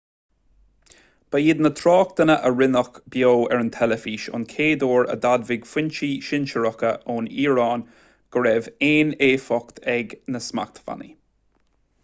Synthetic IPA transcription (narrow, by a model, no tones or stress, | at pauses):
b̥əjɪd̪nət̪ʰɾɑːkt̪ənəʔəɹɪnəxb̥joːɛɹənt̪ʰɛləfiːʃʊ̰nkʰeːd̪oːɹə̰d̪ad̪vɪɡ̥fwɪnt͡ʃiʃɪnʃəɹɔkəʔoːniːɹɑːn | ɡ̥əɹɛveːneːfɔkt̪ʰɛɡnəsma̰k̚t̪ʰə̥fa̰nḭ